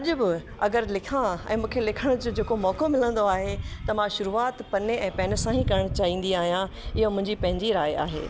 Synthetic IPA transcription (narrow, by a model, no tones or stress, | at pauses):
ɐʄʊbɪ | ɐɡəɾlɪkʰãɛ̰̃ːmũːkʰelɪkʰəɽ̃ʊd͡ʑoːd͡ʑeːkomɔːkomɪlə̃nd̪oaːɦet̪ɐmãʃʊɾuːaːt̪pɐneɛ̃ːpɛːnə̆sãɦĩkɐɾəɽ̃t͡ɕaːɦĩːnd̪iaːɦijã | ɪɦomʊ̃ɦɪ̃ɲd͡ʑipɐ̃ɦɪ̃ɲd͡ʑiɾaːja̰ːɦḛː